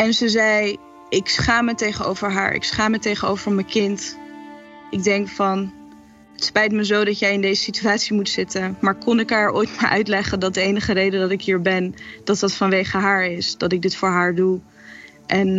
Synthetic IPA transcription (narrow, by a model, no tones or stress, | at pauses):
ɛnzəzɛj | ɪksχaːmətejχəno̰wvəɹɦa̰ːɹɪ̰ksχaːmətejχənowvəɹməkɪnt | ʔɪɡ̚dɛŋkfɑn | ɦətspɛjtməzowdɑtjɛjɪndejzəsityaːtsimutsɪtənmaːɹkɔnɪkɦaːɹo̰ːjtmaːɹʔœ̰ɥtlɛχəndɑt̚dəejnəχərejdədɑtɪkɦiːɹbɛnd̥ɑt̚dɑtfɑnʋejχəɦaːɹɪsd̥ɑtɪɡ̚dɪtfʊːɹɦaːɹdu | ʔɛn